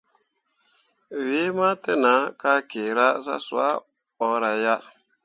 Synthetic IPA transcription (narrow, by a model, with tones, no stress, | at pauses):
we˦ma˦te˦na˨˦ka˦ke˨ɾa˦sa̰˦sw̰a̰˦ɔ˨ɾa˨ja˦